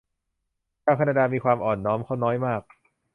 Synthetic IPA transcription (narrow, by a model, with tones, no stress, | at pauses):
t͡ɕʰaː˥˩wkʰːnaː˧daː˧miː˧kʰwaː˧mʔɔː˨˩nːɔː˦˥mkʰa˥˩wnɔː˦˥jmaː˥˩k̚